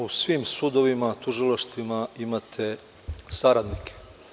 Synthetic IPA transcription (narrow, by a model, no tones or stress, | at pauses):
usʋiːmsud̪oʋimat̪uʒilˠaʃt̪ʋimaimat̪ʰe | saɾad̪nikʰe̥